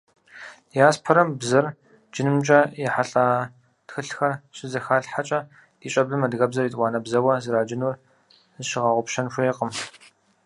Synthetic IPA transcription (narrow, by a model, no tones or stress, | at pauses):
jaːspʰɐɾɐmbzɐr | d͡ʒɪnɨmt͡ʃʼɐjɛħaɬʼaː | txɨɬxɐrɕɪzɐxaːɬħat͡ʃʼɐ | d̥iːɕʼɐblɨmɐdɣɐbzɐriːtʼwɑːnɐbzɐwɐzɨɾaːd͡ʒɪnuːr | zɨʃɪʁɐʁʷʊpʃɐnɕʷeːqʼəm